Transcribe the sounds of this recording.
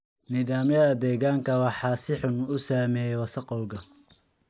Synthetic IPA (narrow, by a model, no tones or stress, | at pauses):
nɪðaːmjɐðɐd̪ɛːɣaːŋkʰɐwɑħɑːsɪħʊnʊsaːmɛːjɛwɐsɐqɔwɡɐ